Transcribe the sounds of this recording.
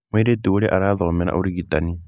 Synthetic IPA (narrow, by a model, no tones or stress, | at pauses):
miɾetioɾeʔaɾaːðɔmɛɾa̰ʔoɾiɣitani